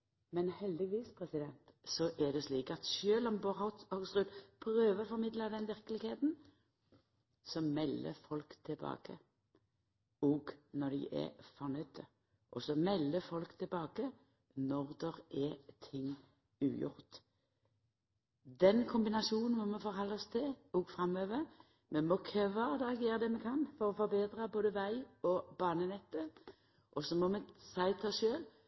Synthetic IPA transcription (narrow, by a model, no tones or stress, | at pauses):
mɛnhɛld̪ɪʋiːspʰɾɛsɪd̪ɛnt̪sɔʔɛd̪ɛsliːkɑt̪ʃøːlɔmbɔhɔt̪ɑɡsʁʉd̪pʰɾøːʋəfɔɾmɪd̪ləd̪ɛnʋɪɾkəlɪɡheːt̪n | sɔmɛlːə̰fɔlkt̪ʰɪlbɑ̰ːkə | ɔɡnɔd̪ɪ̰ʔɛ̰fɔnœd̪ə | ʔɔsɔmɛlːəfɔlkt̪ʰɪlbɑːkə | nɔʁd̪ɛʁɛt̪ʰɪŋː | ʉ̰ːjʊ̰ɾt̪ | d̪ɛnkʰʊmbɪnɑsuːnn̩mɔmɛfɔːɾhɑlɔst̪ʰɪɔɡfʁɑmøːʋə | mɛmɔkʰøʋɑd̪ɑɡeːɾəd̪ɛmɛkʰɑnfɔɾɔfɔɾbeːd̪ʁəboːd̪əʋæɪɔbɑːnənɛt̪ːə | ʔɔsɔmɔmɛsæɪt̪ʰɑsʃøːl